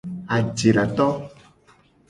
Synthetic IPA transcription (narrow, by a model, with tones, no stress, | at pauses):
a˨d͡ʒe˨ɖa˨t̪ɔ˦